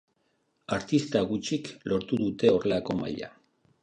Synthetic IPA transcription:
aɾt̪ist̪aɣut͡ʃiklo̞ɾt̪uðut̪e̞o̞re̞lako̞ma̰ʎa̰

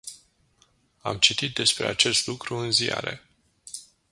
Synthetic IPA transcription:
a̰mt͡ʃit̪it̪̚d̪e̞spɾe̞at͡ʃe̞st̪lukɾuɨnzia̰ɾe̞

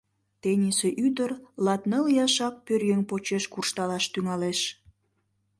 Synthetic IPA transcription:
t̪enʲiseʔyd̪ərlɑt̪nəljɑʃɑpːørjeŋpot͡ɕeʃkurʃt̪ɑlɑʃt̪yŋɑleʃ

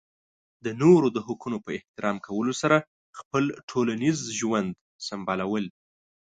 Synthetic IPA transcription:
d̪ənoɾod̪əɦʊkunopəɪht̪ɪɾɑmkawəlosaɾa | xpəlʈʰolanizʒwand̪ | sambɑlawəl

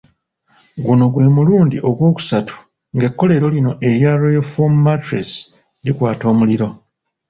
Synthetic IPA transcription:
ɡuno̞ɡwe̞ːmuluːndiʔo̞ɡwo̞ːku̥satu̥ | ŋɡe̞kːo̞le̞ːɾo̞lino̞ʔe̞ɾjaɾojofomumatɾes | dikwaːto̞ːmuliɾo̞

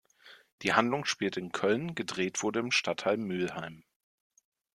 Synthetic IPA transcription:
d̥iːhandlʊŋʃpiːltɪnkʰœlnɡədʁeːtv̥ʊɐdəɪmʃtʰathalmːylhaɪm

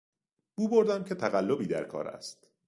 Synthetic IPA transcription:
b̥uːboɾd̪æmcʲʰe̞t̪ʰæɣælːo̞biːd̪æ̰ɾkʰɒ̰ːɾæ̰st̪

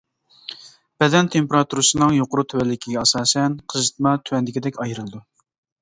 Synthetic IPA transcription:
b̥ɛd̪ɛnt̪ʰempeɾɑt̪ʰuɾɨsɨnɨŋjoqʊɾut̪ʰywɛlːɪkʲʰiɡʲɛɑsɑːsɛnqʰəzɨt̪̚mɑt̪ʰywɛnd̪ɪkʲɪd̪ɛkʲɑjɾɨlˠɨd̪u

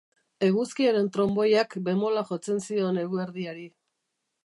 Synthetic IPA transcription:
e̞ɣ̞uskiaɾe̞nt̪ɾo̞mbo̞jakbe̞mo̞laʝo̞t͡se̞nsio̞ne̞ɣueɾðiaɾi

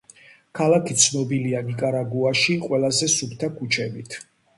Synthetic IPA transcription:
kʰalakʰit̪sʰnɔbilianikʼaɾaɡuaʃiqʼwɛlˠazɛsupt̪ʰakʰut͡ʃʰɛbit̪ʰ

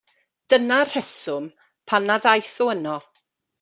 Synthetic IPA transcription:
d̥ənar̥ɛsʊm | pʰanadajθʊənɔ

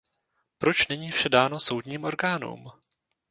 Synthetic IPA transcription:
pɾo̞t͡ʃnɛɲiːfʃɛdaːno̞so̞wdɲiːmʔo̞ɾɡaːnṵm

